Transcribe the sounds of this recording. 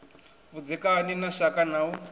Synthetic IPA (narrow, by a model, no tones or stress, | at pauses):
βud͡zɛkaninaʃakanau